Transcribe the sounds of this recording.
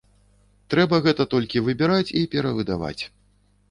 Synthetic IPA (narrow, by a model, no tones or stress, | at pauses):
t̪ɾɛbɐɣɛt̪ɐt̪ɔlʲkʲivɨbʲɛɾat͡sʲipʲɛɾɐvɨd̪a̰va̰t͡sʲ